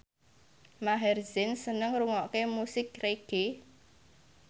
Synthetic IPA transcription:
maɦɛrzɪnsənəŋruŋɔkemusɪk̚reɡ̥e

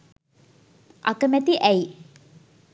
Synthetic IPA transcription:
ʔa̰kəmæt̪iʔæi

